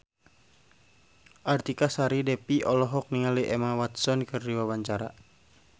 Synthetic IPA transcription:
ʔart̪ikasaɾidɛpiʔɔlɔɦɔk̚niŋaliʔɛmawat̪sɔnkɨrdiwabaɲt͡ʃaɾa̰

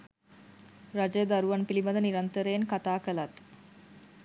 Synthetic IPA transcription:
ɾad͡ʒəjəd̪ɐɾuʋɐnpilibɐd̪əniɾɐnt̪əɾeːŋkat̪aːkəlɐt̪

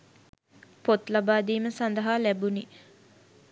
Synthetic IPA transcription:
pot̪labaːd̪iːməsand̪ɐɦaːlæbuni

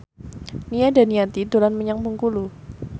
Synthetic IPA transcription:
niada̤niat̪idolanməɲaŋmuŋkulu

